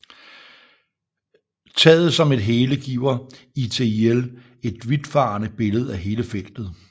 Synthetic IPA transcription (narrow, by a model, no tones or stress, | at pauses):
t͡sʰɛ̰ːð̩ˠsɒ̽me̝d̥ɦeːləɡ̥ḭːʊ̰ɐ | it͡sʰe̝el | e̝d̥ʋid̥fɑ̈nəb̥e̝ləð̞̩ˠæɦe̝ːləfel̰d̥ð̞̩ˠ